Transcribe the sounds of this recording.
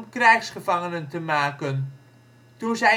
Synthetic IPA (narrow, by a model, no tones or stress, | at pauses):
mkrɛjχsχəvɑŋənəntəmaːkən | tuzɛ